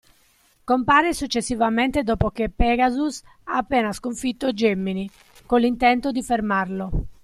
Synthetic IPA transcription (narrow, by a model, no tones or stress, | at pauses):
kompaːɾesut͡ʃːesːivament̪ed̪ɔːpokepːɛːɡazus | aːpːɛːnaskoɱfit̪ːod͡ʒemːini | kolːint̪ɛnt̪od̪ifermarlo